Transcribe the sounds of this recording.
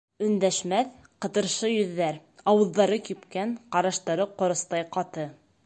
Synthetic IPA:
ɵ̆nd̪æʃmæθ | qɤ̆t̪ɤ̆ɾʃɤjɵ̆ðːæɾɑwɤ̆ðːɑɾɤkipkæɴqɑɾɑʃt̪ɑɾɤqŏɾɤ̆st̪ɑjqɑt̪ɤ

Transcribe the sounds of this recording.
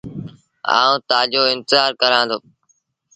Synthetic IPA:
a̰ːũːt̪aːʄoːɪnt̪ɪzaːɾkəɾãːnd̪oː

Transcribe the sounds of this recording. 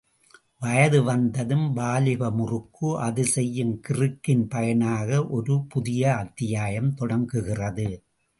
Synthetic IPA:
ʋɐjɐðɯʋɐnd̪ɐðɯmbaːlɪɣɐmʊrɯkːɯʔɐðɯsɛjːɯmkɪrɯkːɪnpɐjɐnaːɣɐʔɔɾɯpʊðɪjɐɐt̪ːɪjaːjɐmt̪ɔɽɐŋɡɯɣɪrɐðɯ

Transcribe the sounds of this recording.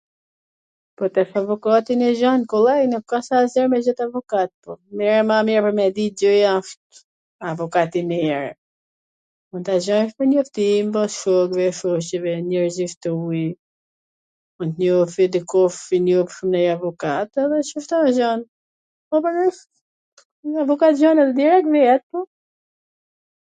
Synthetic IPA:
pɔt̪ɛxavɔkat̪inɛʒɔnkɔlɛjnukkːasazɛɾmɛd͡ʒɔt̪avɔkat̪̚pɔmɛɾɛmamɛɾpɔmɛd̪id͡ʒəjaʃt̪ | avɔkat̪inɛɛɾ | unt̪aʒɔnʃpəɲɔft̪imbɔsʃɔɡvɛʃɔʃɛvɛɲəɾzift̪ui | unt̪ɲɔfid̪əkɔfinupʃumnɛjavɔkat̪ɛðɛʃuft̪ɔʒɔn | ɔpəɾnɛ | avɔkat̪ʒɔnɛðɛd̪iɾɛk̚t̪vɛɛt̪̚pɔ

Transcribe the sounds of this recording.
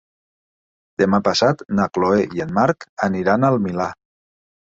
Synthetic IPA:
d̪̥emapasat̪nakloejenmaɾkəniɾanəlˠmila

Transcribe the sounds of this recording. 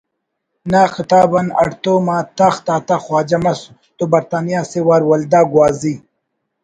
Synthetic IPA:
naːxit̪aːbɐnɐ̰ɽt̪oːmaːt̪axt̪aːt̪axwaːd͡ʑɐmɐs | t̪ubɐɾt̪aːnijaːsewaɾwɐld̪aːɡwaːzi

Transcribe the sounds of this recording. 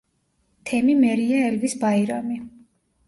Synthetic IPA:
t̪ʰɛmimɛɾiaɛlvisbaiɾami

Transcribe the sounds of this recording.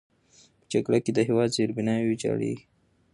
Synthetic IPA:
pə̥t͡ʃaɡɽaked̪əɦewɑd̪zeɾbɪnɑwed͡ʒɑ̰ɽḛ

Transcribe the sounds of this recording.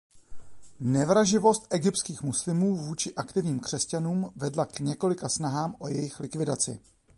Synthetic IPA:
nɛvɾaʒɪvo̞st̪ʔɛɡɪp̚tskiːxmuslɪmuːvuːt͡ʃɪʔakt̪ɪvɲiːmkr̝̥ɛscanuːmvɛdlakɲɛko̞lɪkasnaɦaːmʔo̞jɛjɪxlɪkvɪdat͡sɪ̰

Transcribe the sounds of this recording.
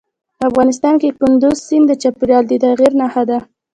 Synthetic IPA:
afɣɑnɪs̬t̪ɑnkekʊnd̪ʊzsind̪ət͡ʃapuɾjɑld̪ət̪aɣiɾnaxad̪a

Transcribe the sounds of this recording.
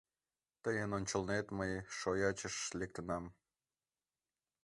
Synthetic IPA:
t̪əjənonʲt͡ɕə̆lnet̪məjʃojɑt͡ɕəʃlek̚t̪ənɑm

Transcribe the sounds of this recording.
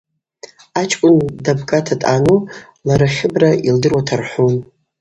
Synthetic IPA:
at͡ʃʰʼkʷʼʊndabkʼatʰatʼanu | laɾaχʲɪbraildɨrwatʰarħʷun

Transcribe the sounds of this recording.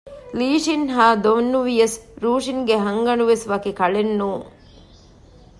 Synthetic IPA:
liːʂinɦaːd̪oʋnːuʋijɐsɾuːʂiŋɡeɦɐŋɡɐnuʋesʋɐkikɐɭenːuː

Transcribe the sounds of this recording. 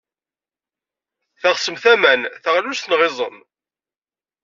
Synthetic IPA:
θaʁsəmθæmænθəʁlust̪nʁɪzˤə̰n

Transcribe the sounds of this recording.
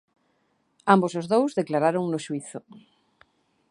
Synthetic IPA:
ambosozðowzðeklaɾaɾoŋnoʃuiθo

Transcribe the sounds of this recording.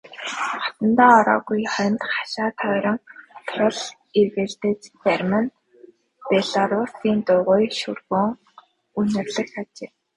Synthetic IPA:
χɔ̥t̪ə̆nt̪aːɔɾɔ̰ːɣujχœ̆nt̪χḁʃaːt̪ʰœːɾʲɞ̆ŋt̪ʰrʊ̆ɮ | iɣert̪et͡ɕpærʲmən | peɮaɾʊrsiːnt̪ʊːʁʊːjʃɵrɣoːŋ | unɘ̆rɮɘ̆xt̪at͡ɕeː

